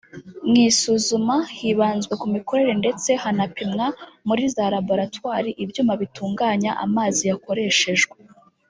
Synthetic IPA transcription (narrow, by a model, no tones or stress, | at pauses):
mŋiːsuzumahiβaːnzɡwe̞kumiko̞ɾe̞ɾe̞nde̞t͡se̞hanapimŋamuɾizaɾabo̞ɾatwaːɾiʔibjuːmaβituːŋɡaːɲaʔa̰maːzijako̞ɾe̞ːʃe̞ʒɡwe